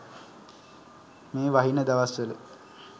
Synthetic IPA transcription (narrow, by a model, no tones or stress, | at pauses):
meːʋaɦinəd̪aʋasʋələ